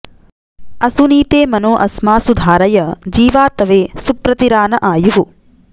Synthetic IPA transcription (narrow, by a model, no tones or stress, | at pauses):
ɐsuniːt̪eːmɐnoːʔɐsmaːsud̪ʱaːɾɐjɐd͡ʒiːʋaːt̪ɐʋeːsupɾɐt̪iɾaːnɐʔaːjuɦu